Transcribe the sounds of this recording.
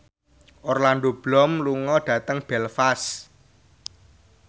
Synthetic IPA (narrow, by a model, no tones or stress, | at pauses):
ʔɔrland̪ob̥lɔmluŋɔɖ̥ä̤t̪əŋb̥ɛlfas